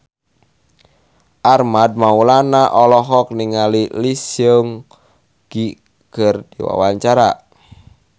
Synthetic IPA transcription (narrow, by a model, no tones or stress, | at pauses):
ʔarmad̚maulanaʔɔlɔɦɔk̚niŋalilisjoŋ | ɡ̥i | kərdiwa̰waɲt͡ʃaɾa